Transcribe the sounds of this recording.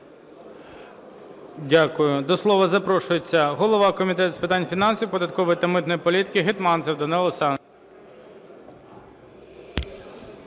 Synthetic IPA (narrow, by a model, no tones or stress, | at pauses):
dʲakʊjʊd̪ɔslˠɔʋɐzɐpɾɔʃʊjet͡sʲːɐɦɔlˠɔʋɑkɔmʲit̪ɛt̪ʊ̥spɪt̪ɑnʲfʲinɑnsʲiwpɔd̪ɐt̪̚kɔʋɔjit̪ɐmɪt̪nɔjipɔlʲit̪ɪ̥kɪɦɪt̪mɑnsɛwd̪ɔnɛlˠɔsɑn